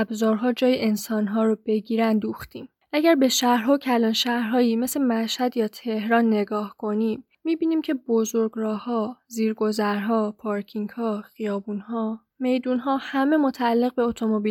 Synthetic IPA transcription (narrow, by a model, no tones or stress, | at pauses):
æbzɒːɾɦɒːd͡ʒɒːjeʔensɒnɦɒːɾobe̞ɟiːɾænd̪uːxt̪iːm | ʔæɟæɾbe̞ʃæhɾɦocʰælɒːnʃæhɾɦɒːjime̞semæʃhæd̪jɒːt̪ʰe̞hɾɒːnːe̞ɡɒːhkʰo̞niːmːiːbiːniːmcʰe̞bozo̞ɾɡɾɒːhɒːziːɾɡo̞zæɾɦɒːpʰɒɾcʰiŋɡhɒːχijɒːbuːnhɒː | me̞jd̪uːnɦɒːhæme̞mot̪ʰæælːe̞ɣbe̞ot̪ʰo̞mobi